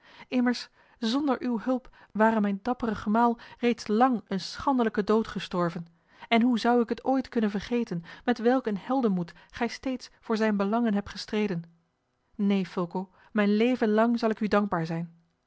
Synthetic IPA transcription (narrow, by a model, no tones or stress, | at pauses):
ɪməɹs | zɔndəɹʔywɦɵlˠp | ʋaːrəmɛjndɑpərəχəmaːlˠrejtslɑŋənsχɑndələkədowtχəstɔɹvən | ɛnɦuzɑwɪkɦətoːjtkɵnənvəɹχejtənmɛtʋɛlˠkənɦɛlˠdəmut | χɛjstejtsfʊːɹzɛjnbəlɑŋənɦɛp̚tχəstrejdən | nejfølˠkow | mɛjnlejvənlɑŋzɑlˠɪkydɑŋɡ̚baːɹzɛjn